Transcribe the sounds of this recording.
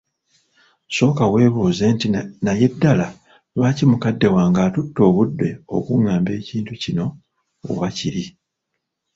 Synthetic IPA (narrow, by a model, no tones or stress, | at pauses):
so̞ːkawe̞ːβoːze̞ːntinaje̞dːala | βaːcimukadːe̞waːŋɡaːtutːo̞ːβudːe̞o̞̰kuŋːaːmbe̞ːciːntucino̞ | o̰βaciɾi